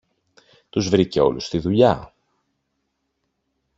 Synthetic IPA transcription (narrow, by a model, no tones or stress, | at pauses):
t̪uzvɾice̞o̞̰lust̪iðuʎɐ